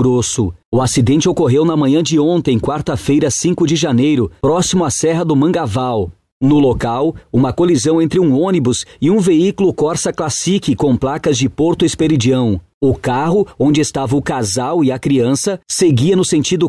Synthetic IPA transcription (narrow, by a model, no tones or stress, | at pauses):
ɾosʊʊasid̪ẽnt͡ʃɪokoɦewnɐmɐ̃ɲɐ̃d͡ʒɪõnt̪ẽj̃kwaɾt̪ɐfejɾɐsĩŋkʊd͡ʒɪʒanejɾʊpɾɔsimʊasɛɦɐd̪ʊmɐ̃ŋɡavaw | nʊlokawũmɐkolizɐ̃w̃ẽnt̪ɾɪũõnibʊzɪũveikulʊkɔɾsɐklasikɪkõplakɐzd͡ʒɪpoɾt̪ʊɪspeɾid͡ʒiɐ̃w̃ | ʊkaɦʊõnd͡ʒɪest̪avɐʊkazawɪɐkɾiɐ̃sɐseɡiɐnʊsẽnt͡ʃid̪ʊ